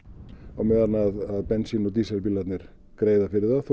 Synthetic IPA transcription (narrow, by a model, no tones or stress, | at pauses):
ɔwmɛðanaðaðpɛnsinɔd̪iːsɛlpilat̪nɪɾ̥ | kɾeːjðafɪɾɪɾðaðθ